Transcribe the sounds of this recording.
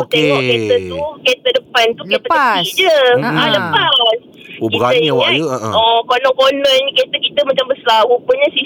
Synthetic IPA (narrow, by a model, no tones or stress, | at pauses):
teŋɔʔket̪əuket̪ədəpant̪ukepaaid͡ʒəaləpas | ukiaəiŋaɔkonɔ̃konɔnɲket̪əkit̪əmat͡ʃambəsəlawupuɲasi